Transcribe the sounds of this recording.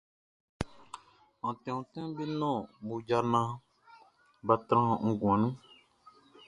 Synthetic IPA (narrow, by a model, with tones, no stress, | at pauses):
ɔ̃˨tɛ̃˨ũ˨tɛ̃˦be˦nɔ̃˦˨mu˨d͡ʒa˧nã˦ | ba˧t̪ɾã˦ŋ̩˦ɡ̃ã˨nũ˦